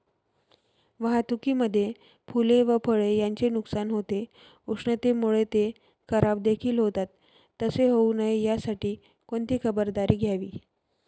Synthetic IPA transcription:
ʋəɦat̪ukiːməd̪ʱːje | pʰuleʋəpʰəɭejaɲt͡ɕenuksanɦot̪e | uʂɳət̪emuɭet̪e | kʰəɾabd̪ekʰiːlɦot̪at̪ː | əseɦounaɦijasaʈiː | koɳt̪iːkʰəbəɾd̪aɾiːɡʱjaʋḭː

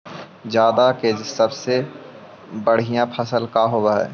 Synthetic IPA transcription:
d͡ʒjaːd̪akeːd͡ʒsɐbse | bəɽ̤ijãpʰɐsəlkaɦoːwaɦɛ̰ː

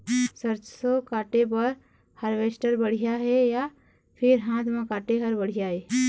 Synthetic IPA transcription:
səɾt͡ʃsokaːʈepəɾ | həɾʋeːsʈəɾbəɽ̤ijaɦɛja | pʰɪɾɦãːt̪mãkaːʈeɦəɾbəɽ̤ijaɦɛː

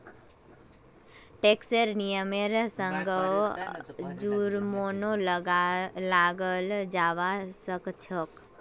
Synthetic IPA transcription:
ʈeksəɾnijəmeɾsəŋɡəw | d͡ʒuɾmonol | laɡəld͡ʒaːʋasəkt͡ʃʰək

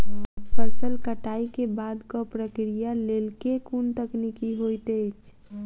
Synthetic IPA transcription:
pʰəsəlkəʈaikebad̪kɔpɾəkɾijalelkekunt̪əknikiɦojt̪ət͡ʃʰ

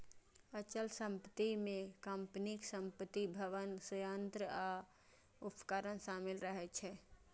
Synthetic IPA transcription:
ət͡ʃəlsəmpət̪imekəmpniksəmpət̪ibʱəʋənsəjənt̪ɾəa | upə̥kəɾənsamilɾəɦɛt͡ʃʰɛ

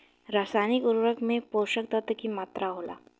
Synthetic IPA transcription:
ɾaːsaːnɪkʊɾɾəkmẽpoːʃək̚t̪ət̪əkimaːt̪ɾaɦoːla̰ː

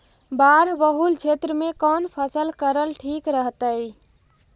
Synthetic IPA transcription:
baɾbəɦult͡ʃʰet̪ɾəmekɔnpʰəsəlkəɾəlʈʰikɾəɦt̪əj

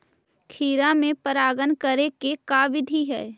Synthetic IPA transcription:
kʰiːɾamẽpəɾaːɡənkəɾekekaːʋɪd̪ʱiɦɛː

